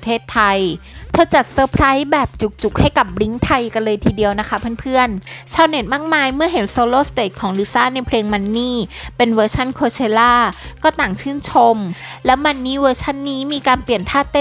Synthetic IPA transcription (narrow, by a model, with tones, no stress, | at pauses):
t̪ʰeː˥˩t̪ʰːa˧jt̪ʰɤː˧˩t͡ɕa˨˩t̪̚sɤː˧˥pʰɾa˦˥jbɛː˨˩p̚t͡ɕu˨˩k̚t͡ɕu˨˩k̚ha˥˩jka˨˩p̚ɾi˦˥ŋt̪ʰa˧jka˧nlɤː˧jt̪ʰiː˧di˧əwna˦˥kʰa˦˥pʰa˥˩˨npʰɯ˥˩ənt͡ɕʰaː˧wne˨˩˦n̚maː˥˩k̚maː˧jmɯ˥˩ɐɦe˩˦nsoː˧loː˥˩st̪eː˨˩t̪̚kʰɔː˩˦ŋli˦˥saː˦˥˩na˧jpʰleː˧ŋma˧nːiː˥˩pe˧nwɤː˧t͡ɕʰa˥˩nkʰoː˧t͡ɕʰeː˧laː˥˩kɔː˥˩t̪aː˨˩ŋt͡ɕʰɯː˥˩nt͡ɕʰo˧mlɛ˦˥wma˧nːiː˦˥˩wɤː˧t͡ɕʰa˥˩nːiː˦˥miː˧kaː˧npli˨˩ənt̪ʰaː˥˩t̪e˥˩